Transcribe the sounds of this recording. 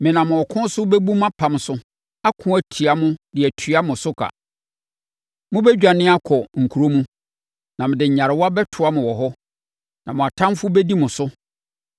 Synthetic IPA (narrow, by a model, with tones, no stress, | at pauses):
mɪ̃˨nã˨mʊ̃˨ɔ˨kʰʊ̃˦sʊ˦bɛ˦bu˦mã˦pʰã˨m˨sʊ˦ | a˦kʰʊ̃˦æ˨tʰi˨a˨mʊ̃˦dɪ˨ɛ˨tʰɥa˦mʊ̃˨sʊ˦kʰa̰˨ | mʊ̃˦bɛ˦d͡ʑᶣa˨nɪ̃˦a˦kʰɔ˨ŋ̩˨kʰu˨ɾo˦mũ˦ | nã˨mɪ̃˨dɪ˨ɲ̩˨ɲa˨ɾɪ˨wɔ˦a˦bɛ˦tʰʊ˨˦a˦mʊ̃˨wɔ˨ɦɔ˦ | nã˨mʊ̃˨a˨tʰã˦m˦fʊ˦bɛ˦di˦mʊ̃˨sʊ˦